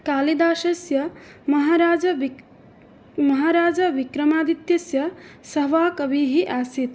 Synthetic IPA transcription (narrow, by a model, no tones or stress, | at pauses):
kaːlid̪aːʃɐsjɐ | mɐɦaɾaːd͡ʒɐ | mɐɦaːɾaːd͡ʒɐʋikɾɐmaːd̪it̪jɐsjɐsɐɦʋaːkɐbiɦiʔaːsit̪